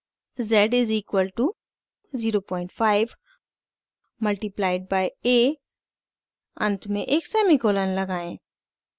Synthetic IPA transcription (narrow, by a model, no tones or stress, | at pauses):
zɛɖɪziːkwəlʈu | ziːɾopɔ̃ːɪ̃ɳʈfaːɪʋ | mɐlʈiplaːɪɖ̚baːjeː | ɐ̰̃nt̪ʰmẽʔeːksɛːmikoːlənlɐɡaːẽː